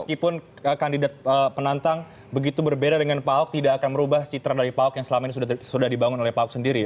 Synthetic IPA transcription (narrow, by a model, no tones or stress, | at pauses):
məskipʊn | əkandidat̪̚əpənant̪aŋ | bəɡit̪ubərbedadəŋanpaʊk̚t̪idaːkanməɾubahsit̪ɾadaɾipaʊkjaŋsəlamainisusudahdibaŋʊnolɛhpaʊk̚səndiɾi